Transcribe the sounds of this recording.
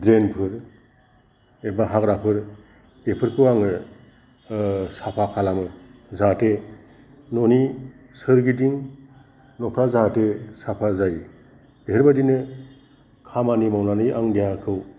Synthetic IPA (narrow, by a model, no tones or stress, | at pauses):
dɾenpʰɯɾ | ebaɦakɾapʰɯɾ | epʰɯɾkʰɯwaŋɯ | sapʰakʰalamɯzate | nɔni | sɯɾɡidiŋ | nɔpʰɾazatesapʰazaj | beɦɯɾbadinɯ | kʰamanimawnanɯjʔaŋdijakʰɯw